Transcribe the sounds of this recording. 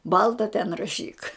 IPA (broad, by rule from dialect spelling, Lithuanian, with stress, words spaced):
ˈbɐlˠtɐ tʲɛn rɐˈʃʲiːk